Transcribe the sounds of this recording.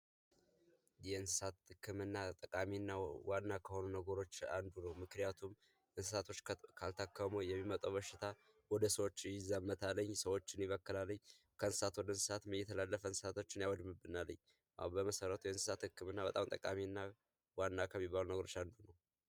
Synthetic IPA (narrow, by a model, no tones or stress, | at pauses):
jɛɨnsɨ̥sat̪hɨkʰːɨmɨnːat̪ʼəkʼaminːawanːakʰəho̞nunəɡəɾo̞t͡ʃːand̪unəwmɨknijat̪ʰum | ʔɨnsɨsat̪ʰo̞t͡ʃːkʰalt̪ʰakʰːəmujɛmːimət̪ʼəwβəʃɪt̪ʰa | wɔd̪əsəwo̞t͡ʃːjɪzːamːət̪ʰalːəɲːsəwo̞t͡ʃːɪnjɪβəkːɨlalːəɲː | kʰəɨnsɨ̥sat̪wɔd̪əɨnsɨ̥sat̪mɨjɛt̪ʰːəlalːəfəɨnsɨ̥sat̪ʰo̞t͡ʃːɪnjawɔd̪mɨbːɨnalːə̰ɲː | ʔa̰bəməsəɾət̪ʰujɛɨnsɨ̥sat̪hɨkːɨmɨnːabət̪ʼamt̪ʼə̰kʼa̰miɨnːa | wanːakʰəmːibːalunəɡəɾo̞t͡ʃːand̪unəw